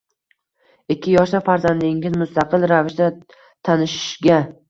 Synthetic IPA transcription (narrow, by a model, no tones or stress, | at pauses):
ɪkʲʰːɪjɒʃlafaɾzand̪ɪŋʲɪzmʊst̪ʰaqɨlˠɾavɪʃd̪a | t̪ʰanɪʃɪ̥ʃɡʲa